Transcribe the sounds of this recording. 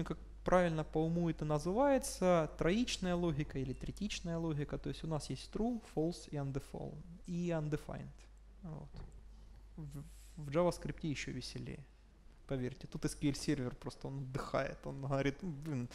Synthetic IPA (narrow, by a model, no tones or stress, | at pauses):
nʲukak̚ | pɾʔavʲɪlʲnəpɐʊmujɪt̪ɨnəzɨvajɪt̪sət̪ɾɐit͡ɕnəjəlˠo̞ɦʲɪkəilʲɪt̪ɾʲɪtʲit͡ɕnəjəlˠoɦʲɪkət̪o̞ɪsʲtʲʊnasjesʲtʲt̪ɾufolˠsiɐnd̪ɨfo̰lˠiɐnd̪ɨfa̰jnt̪ | vo̰t̪ | v | vʐavəskɾʲiptʲɪjɪɕːo̰vʲɪsʲɪlʲḛj | pɐvʲerʲtʲɪt̪ut̪ɨskʲelʲsʲervʲɪrpɾo̞st̪əo̞nɐd̪ːɨxa̰jɪ̰t̪o̞̰nɦəvɐɾʲit̪blʲin